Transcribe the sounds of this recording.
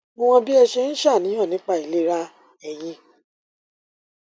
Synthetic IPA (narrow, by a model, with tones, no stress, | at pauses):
mõ˦˧w̃ɔ̃˧bi˦ɛ˧ʃɛ˧ñ̩˦ʃa˦˨nĩ˨˦ɔ̃˦˨nĩ˨˦k͡pa˦˨i˨le˨˦ɾa˦ | ɛ˧j̃ĩ˧˦